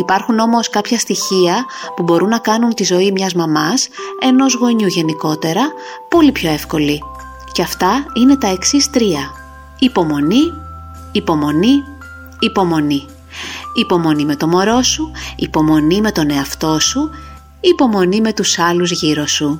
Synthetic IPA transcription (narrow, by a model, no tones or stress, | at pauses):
ipɐɾxuno̞mo̞skɐpçɐst̪içiɐpubo̞ɾunːɐkɐnunt̪izo̞imɲɐzmɐmɐse̞no̞zɣo̞ɲuʝe̞niko̞t̪e̞ɾɐpo̞lipço̞e̞fko̞li | ceɐft̪ɐine̞t̪ɐe̞ksist̪ɾiɐ | ipo̞mo̞niː | po̞mo̞niː | po̞mo̞ni | ipo̞mo̞nime̞t̪o̞mo̞ɾo̞suipo̞mo̞nime̞t̪o̞ne̞ɐft̪o̞suː | po̞mo̞nime̞t̪usɐluzʝiɾo̞su